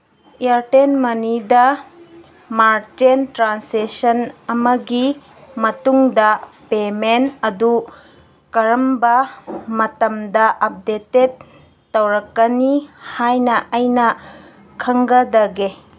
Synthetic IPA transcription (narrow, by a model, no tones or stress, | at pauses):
iaɾtenmɐnidɐ | maɾtentɾansesɐnɐmɐɡi | mɐtuŋdɐpemenɐdu | kɐɾɐmbɐmɐtɐmdɐʔɐp̚deted̚ː | ɐwɾɐkːɐnihajnɐʔɐjnɐ | kʰɐŋɡɐdɐɡe